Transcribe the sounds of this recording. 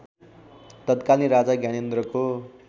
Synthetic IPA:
t̪ʌt̪kalĩɾad͡zaɡjañend̪rʌko

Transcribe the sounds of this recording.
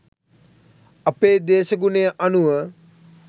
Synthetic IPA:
apeːd̪eːʃəɡunejʔanuʋə

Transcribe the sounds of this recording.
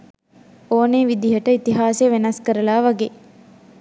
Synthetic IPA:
oːneːʋid̪iɦəʈəit̪iɦaːseʋenɐskəɾəlaːʋaɡe

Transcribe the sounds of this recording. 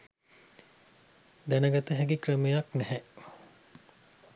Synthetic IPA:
d̪ænəɡat̪əɦɛɡikrəmejaknɛhɛʔ

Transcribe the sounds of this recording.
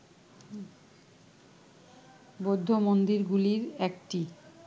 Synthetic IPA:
bod̪ʱːomond̪iɾɡuliɾɛkʈi

